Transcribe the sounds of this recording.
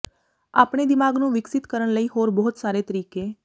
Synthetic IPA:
a̰pɳed̪imaɡnũʋɪksɪt̪kəɾəɳləiɦoɾbɔɦut̪saɾet̪əɾike

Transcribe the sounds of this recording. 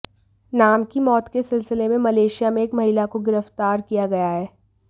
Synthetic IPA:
naːmkimɔːt̪kesɪlsɪlemẽmɐleːʃijamẽeːkmɐɦilakoɡɪɾəft̪aːɾkijaɡɐjaɦɛː

